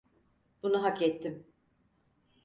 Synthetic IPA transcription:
b̥unaɦakɛt̪ʰːim

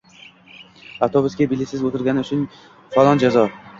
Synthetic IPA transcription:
at̪ʰobʊskʲabɪlːɪsɪzot̪ʰɪɾɡʲanɪʊt͡ʃʰʊn | falˠɒnd͡ʒazɒ

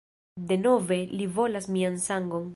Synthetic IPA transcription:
de̞no̞ve̞livo̞lasmiansaŋɡo̞n

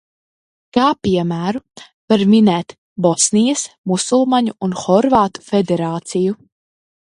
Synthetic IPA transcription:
kaːpiɛmæːɾu | vaɾminɛːt̪ | bɔsnijɐs | musulˠmaɲuunxɔɾvaːt̪u̥fed̪eɾaːt̪siju

